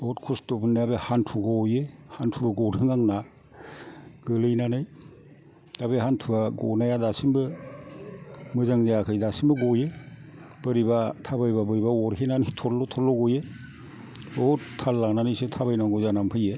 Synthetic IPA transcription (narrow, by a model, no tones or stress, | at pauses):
bɔtkʰustɔbɯnːajabehantʰuɡɔjehantʰubaɡɔdɯŋaŋna | ɡɯlɯjnanɯj | d̥abeɦantʰubaɡɔnajadasimbɯ | mɯzaŋzajakʰɯjdasimbɯɡɔje | b̥ɯɾibatʰabajbabɯɾibaɔɾɦenanitʰɔlɔtʰɔlːɔɡɔje | ɔtʰalːananɯjsetʰabajnaŋɡɔzanampʰɯje